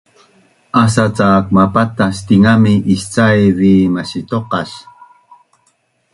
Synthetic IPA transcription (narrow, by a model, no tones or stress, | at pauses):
asat͡saːk̚mapat̪ast̪iŋamiʔist͡sajviːmaɕit̪oqɑʃ